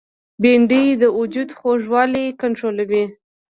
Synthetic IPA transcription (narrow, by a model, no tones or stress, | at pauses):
beɳɖijd̪əʊd͡ʒud̪xoʒwɑlikaɳʈɾolawi